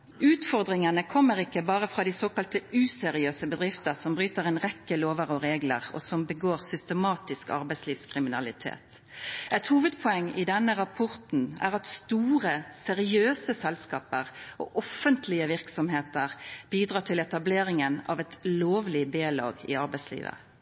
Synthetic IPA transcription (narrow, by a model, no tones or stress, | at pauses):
ʉːt̪fɔʁd̪ʁɪŋənəkʰɔmːəʁɪkːəbɑːʁəfʁɑːd̪iːsoːkɑlt̪əʉːsɛɾɪøːsəbəd̪ʁɪft̪əʁsɔmbʁyːt̪əʁɛnʁɛkːəloːʋəʁɔʁeːɡlə̰ʁɔ̰sɔmbəɡoːʁsʏst̪əmɑːt̪ɪskɑ̰ʁbɛɪsliːʋskʰʁɪmɪnɑlɪt̪ʰḛːt̪ | ɛt̪huːʋəd̪pʰʊɛŋːɪd̪ɛnːəʁɑpʰɔɾt̪n̩æ̰ʁɑt̪st̪uːʁəsɛʁɪøːsəsɛlskɑːpəʁɔ̰ʔɔfːənt̪ʰlɪəʋɪʁksɔmheːt̪əʁb̥iːd̪ʁɑːt̪ʰɪlɛt̪ɑbleːɾɪŋənɑ̰ʋɛt̪loːʋlɪb̪eːlɑ̰ːɡɪ̰ɑɾbɛɪslḭːʋə̰